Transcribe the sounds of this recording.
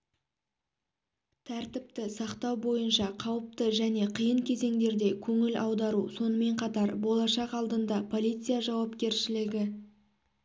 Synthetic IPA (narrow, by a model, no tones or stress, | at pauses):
t̪ʰæɾt̪ɪp̚t̪ɪsɑqt̪ɑwbo̞jənʃɑqʰɑwəp̚t̪əʒæne̞qʰijəɴkʲʰe̞ze̞ŋd̪e̞ɾd̪e̞kʲʰɵŋɪlʔɑwd̪ɑɾuso̞nəme̞ɴqʰɑt̪ɑɾbo̞lˠɑʃɑqɑlˠd̪ənd̪ɑpʰo̞lʲijt̪sɨjaʒɑwɑpkʲe̞ɾʃɪlɪɡʲɪ